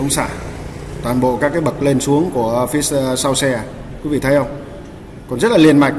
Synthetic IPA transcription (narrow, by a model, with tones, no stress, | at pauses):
ə˨˦wŋ͡msa̰ː˧˩t̪waː˨˩nɓo̰˧˨kaː˦˥k̬ːaː˨˦jɓə˨˩t̚le˧nsu˨˦əŋku˧˩əfi˨˦ssa˧wsɛ˧ | kwi˨˦vḭ˧˨t̪ʰə˨˦jhə˧wŋ͡m | kɔ˨˩nzə˦˥t̚laː˨li˧˩ənma̰˧˨jŋ